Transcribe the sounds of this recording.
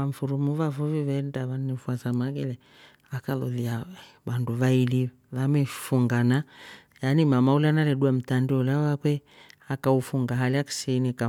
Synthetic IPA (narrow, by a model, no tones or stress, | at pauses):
aɱ̩fuɾumuβavuviβɛndaβannifwasamaɣɛlɛ | akalɔ̰ðia | βanduβaili | βamɛfuŋɡana | janimamaulanalɛɗuam̩tandiɔlawakwɛ | akaufuŋɡaɦaliaki̥sinika